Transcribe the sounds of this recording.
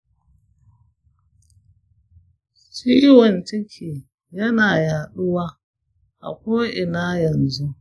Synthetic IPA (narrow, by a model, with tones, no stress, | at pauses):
ʃiː˦wɐ˨nt͡ʃɪ˦kʲʰiː˨ | jɐ˦naː˨jaː˨ɗʊ˦waː˦ | ʔa̰˨kʷoː˦ʔɪ˨naː˦jɐ˨nzu˦